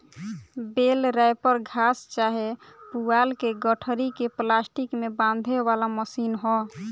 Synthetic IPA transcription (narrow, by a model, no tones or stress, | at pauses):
belɾaepəɾɡʱast͡ʃaɦepualkeɡəʈʰəɾikeplasʈikmebãnd̪ʱebalaməsinɦɔ